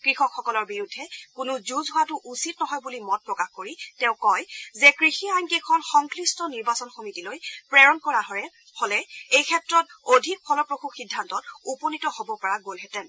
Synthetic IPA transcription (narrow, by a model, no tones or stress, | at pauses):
kɹixɔkxɔkɔlɔɹbiɹudʱːɛkʊnʊzuzɦʊwatʊʔusitnɔɦɔjbulimɔt̚pɹɔkaxkoɹitɛ̃ʊ̃kɔjzɛkɹixiajnkexʰɔnxɔŋklistɔniɹbasɔnxomitilojpɹɛɹɔnkɔɹaɦɔɹɛ | holɛejkʰɛtɹɔt̚odʱik̚pʰɔlɔpɹoxuxidʱːantɔtupɔnitɔhobɔpɔɹaɡolɦɛtɛn